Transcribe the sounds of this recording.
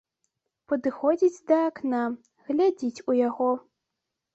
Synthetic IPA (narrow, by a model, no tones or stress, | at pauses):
pɐd̪ɨxɔd͡zʲid͡zʲd̪ɐːkna | ɣlʲad͡zʲit͡sʲujaɣɔ